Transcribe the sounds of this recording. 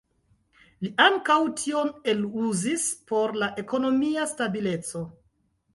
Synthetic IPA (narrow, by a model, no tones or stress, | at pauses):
liʔaŋkawtʰio̞ne̞luzispo̞ɾlaʔe̞ko̞no̞miastabile̞t͡so̞